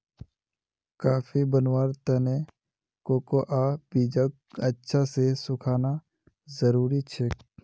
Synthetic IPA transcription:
kaːfʰibənwaːɾt̪ənẽ | koːkoʔaːb̥iːd͡ʒakɐtːʃʰasesʊkʰaːna | zəɾuːɾit͡ʃʰek

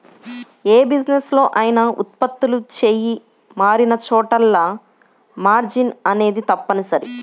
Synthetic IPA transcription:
e̞ːbid͡ʒneslo̞ːʔaːjɐnɐṵt̪̚pɐt̪ːulut͡ʃe̞ːji | maːɾinɐt͡ʃɔːʈɐlːɐ | maːɾd͡ʒinɐne̞ːd̪it̪ɐpːɐnisɐɾi

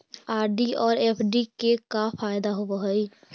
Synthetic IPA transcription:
aːɾɖiɔːɾepʰɖikekafajd̪aɦobəɦəj

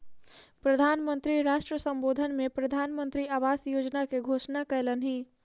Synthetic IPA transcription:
pɾəd̪ʱaːnmə̃nt̪ɾiɾaːʃʈɾəsə̃mboːd̪ʱənmẽpɾɐd̪ʱaːnmə̃nt̪ɾiaːʋaːsjoːd͡ʒnakeɡʱoːʃnakɛːlənɦĩː

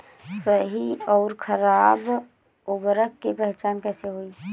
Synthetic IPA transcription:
səɦiɔːɾkʰəɾaːb | ʊbəɾəkːepɛɦt͡ʃaːnkɛːseɦoːi

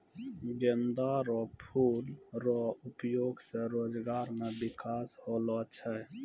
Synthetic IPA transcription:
ɡend̪aɾɔpʰulɾɔupjoɡsẽɾod͡ʒɡaɾmebikasholɔt͡ʃʰɛ

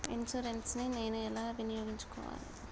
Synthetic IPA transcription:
insuɾenʈsnineːnuɛlaːɐbʱinijoːɡiɲt͡ʃu̥kɔ̰ːʋa̰ːlṵ

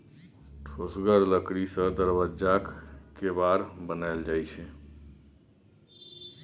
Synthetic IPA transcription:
ʈʰosɡəɾləkɾisə̃d̪əɾbəd͡ʒakkebaɾbənald͡ʒajt͡ʃʰɛ

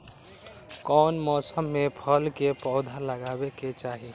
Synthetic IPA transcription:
kɔnmɔːsəmːepʰəlkepɔʊd̪ʱaləɡaːbeket͡ʃaːɦi

